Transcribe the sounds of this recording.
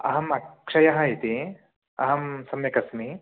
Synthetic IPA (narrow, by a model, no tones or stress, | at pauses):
ɐ̰ɦɐmɐkʂɐjɐɦɐɦit̪i | ɐ̰ɦɐmsɐmjɐkɐsmi